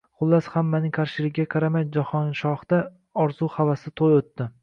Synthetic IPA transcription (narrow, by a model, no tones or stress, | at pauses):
χʊlˠːashamːanɪŋkʰaɾʃɪlɪkʲːaqʰɑɾamand͡ʒahɒnʃɒhd̪̥a | ɒɾz̥uhavasɪt̪ʰojot̪ːɪ